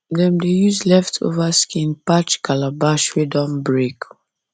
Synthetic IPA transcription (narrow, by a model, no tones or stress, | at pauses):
dɛ̃mdejuzlɛftʰo̰vaskʰĩnpat͡ʃkalabaʃwɛdɔ̃mbɹek